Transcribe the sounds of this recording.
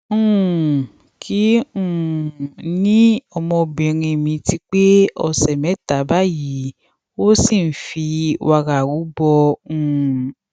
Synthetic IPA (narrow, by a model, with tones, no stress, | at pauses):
ũ˨ | kʰi˨˦ũ˦˨nĩ˦ɔ˧mɔ̃˧bĩ˨ɾ̃ĩ˧mĩ˧ti˦k͡pe˦ɔ˧sɛ˨mɛ̃˨˦ta˨˦ba˦ji˨˦ | o˦sĩ˦˨˦fi˧wa˧ɾa˨wu˨˦bɔ˧ũ˦˨